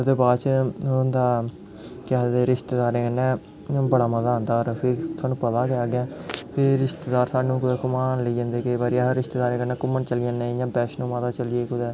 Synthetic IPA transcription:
d̪eːbaːt͡ʃnd̪aː | kaːd̪eːɾɪʃt̪eːd̪aːɾẽːkənːɛ̃ː | ãːbəɽaːməzaːɦnd̪aːɔːɾpʰɪɾsaːnːũːpət̪aːkeaːɡɛ̃ːpʰɪɾɾːɪʃt̪eːd̪aːɾsaːnːũːkʊd̪ɛːkʊmaːnləiːd͡ʒãːnd̪eːkeːbaːɾiːaɾɪʃt̪eːd̪aːɾẽːkənːɛːkʊmːəɳt͡ʃəlɪjãːnẽːjãːbɛːʃnũːmat̪aːt͡ʃəljeːkʊd̪ɛː

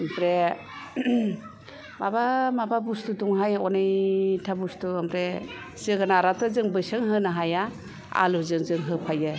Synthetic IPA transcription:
mpɾe | mabamababustuduŋɦajɔnɯjtʰabustuampɾe | sɯɡanaɾatʰɔzɯŋbɯsɯŋɦɯnaɦaja | a̰luzɯŋzɯŋɦɯpʰajɯ

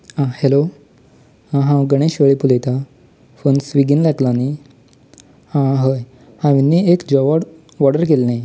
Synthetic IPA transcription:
ãhelo | ãɦãɡəɽ̃eɕʋəɭiːpulejt̪a | fonsʋiɡinlaɡlani | hãɦəj | hãʋinːiːekd͡ʑəʋəɽ | ʋɔɽəɾkelnẽ

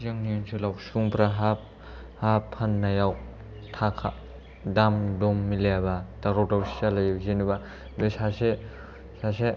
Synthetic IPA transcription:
zɯŋniɯnsʰulawsuŋpɾaɦa | hapʰːanːajaw | tʰakʰa | damdɔmːilejabataɾɔdawsi̥alajzinɯba | besase | sase

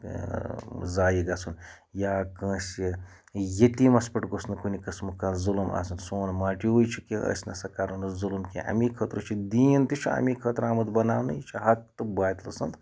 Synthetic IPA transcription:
zaːjiɡɐsun | jaːkə̃ːsʲi | jet̪imɐspɐʈɡosnɨkunʲikɐsmɨkɐnzuluma̰ːsɐnsoːnmaːʈiujt͡ʃʰikĩʔɐ̰sʲnɐsɐkaːɾunɨzulmkʲḭ̃ʔɐ̰mikʰət̪ɾut͡ʃʰid̪iːnt̪it͡ʃʰiɐ̰mikʰət̪ɾaːmɐt̪bɐnaːwnɨjt͡ʃʰiɦɐk̚t̪ɨbaːt̪lɐsɐnd̪

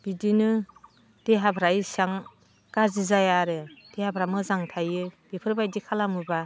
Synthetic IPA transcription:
b̥idinɯ | d̥eɦabʰʱɾajsaŋ | kazizajaɾɯd̥ehabʰʱɾamɯzaŋtʰajɯb̥ipʰɯɾbajdikʰalamɯba

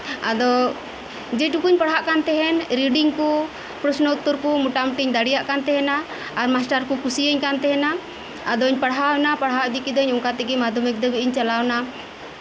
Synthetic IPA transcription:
ad̪ɔ | d͡ʒɛʈukuɲpaɽɦaʔkant̪ɛɦɛnɾiɖiŋku | pɾəsnəut̪ːuɾkumuʈamʈiɲd̪aɽijaʔkant̪ɛɦɛnaː | ɾmasʈaɾkukusiəɲkant̪ɛɦɛnaː | d̪ɔɲpaɽɦawnapaɽɦad̪ikid̪ɔɲɔŋkat̪ɛɡɛmad̪ɔmɛk̚d̪ɛbiʔiɲt͡ʃalawna

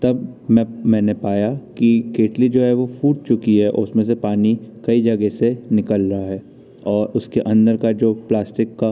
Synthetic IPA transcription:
t̪ɐbmɛ̃mɛ̃ːnepaːjakikeːʈlid͡ʒoːɦɛʋofuːʈ̚t͡ʃʊkiɦɛʔʊsmẽsepaːnikɐid͡ʒɐɡesenɪkəlɾɐɦaɦɛː | ɔːɾʊskeʔɐ̃nd̪əɾkad͡ʒoːplaːsʈɪkːa

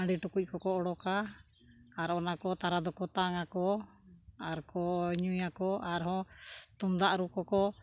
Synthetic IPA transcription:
ãɖiʈukuc̚ˀkɔkɔɔɽɔkaː | ɾɔnakɔt̪aɾad̪ɔkɔt̪aŋakɔ | aɾkɔɲujakɔʔaɾɦɔ̃t̪umd̪aʔɾukɔkɔ

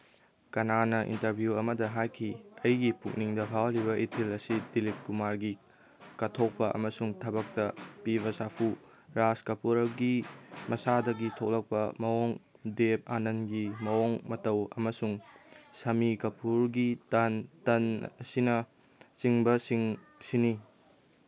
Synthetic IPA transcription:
kɐnanɐʔḭntɐɾbʱjuɐmɐdɐɦajkʰiɐjɡipuk̚niŋdɐbʱawliβɐʔitʰilɐsidilit̚kumaɾɡi | kɐtʰok̚pɐʔɐ̰mɐsuŋtʰɐbɐk̚tɐpiβɐsapʰu | ɾaskɐpuɾɐɡimɐsadɐɡitʰok̚lɐk̚pɐmɐwoŋ | dep̚anɐnɡimɐoŋmɐtɐwɐ̰mɐsuŋsɐmikɐpʰuɾɡitɐntɐn̰sinɐ | t͡ʃiŋbɐsiŋ | sini

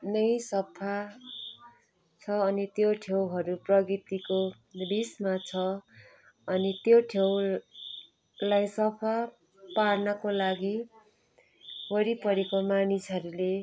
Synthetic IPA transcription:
nʌjsʌpʰa | t͡sʰʌːnit̪joʈʰewɦʌɾuprʌɡit̪iko | bismat͡sʰʌ | ʌnit̪joʈʰew | lajsʌpʰa | parnʌkolaɡi | bʌɾipʌɾekomanisɦʌɾule

